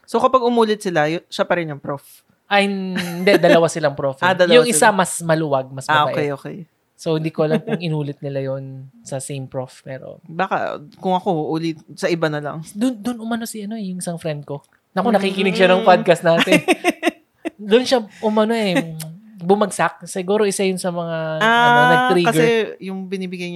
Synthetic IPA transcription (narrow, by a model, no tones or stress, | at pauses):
sokɐpɐɡ̚ʊmuːlɪt̪̚sɪlajʊʃapɐɾɪnjʊŋpɾof | ʔɐhɪɪnd̪ɛd̪ɐlɐwasɪlɐŋpɾofad̪ɐljʊŋʔɪsamɐsmɐluwɐɡ̚mɐsaʔokɛjʔoːkɛj | sohɪnd̪iːkolɐŋkʊŋɪnuːlɪt̪̚nɪlajonsɐsejmpɹofmɛɾo̰baːkɐ̰kʊŋɐko̞ʔuːlɪt̪̚sɐʔɪbanɐlɐ̰ŋd̪ʊnd̪ʊnʊmɐnosɪɐno̞ɛjʊŋɪsaŋfɾɛnd̪̚ko̞ | nɐkonɐkikɪnɪɡʃanɐŋpad̪̚kɐsnaːt̪ɪn | d̪onʃaʔʊmɐno̞ʔɛ | bʊmɐɡsak̚sɪɡuːɾo̞ʔɪsajʊnsɐmɐŋaaɐɐt̪ɾikɐɡɛɹɛjʊŋbɪnibɪɡajɲ